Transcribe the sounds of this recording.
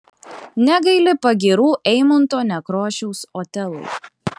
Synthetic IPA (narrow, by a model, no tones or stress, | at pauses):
nʲɛɡɐɪlʲɪpɐɡʲiːɾuːʔɛɪmʊnt̪oːnʲɛkɾoːʃʲɛʊsoːt̪ʲɛlˠʊ̰ɪ